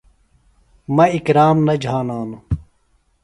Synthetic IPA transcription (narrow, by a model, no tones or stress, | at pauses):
mɐikɾaːmnɐd͡ʑʱaːnaːnu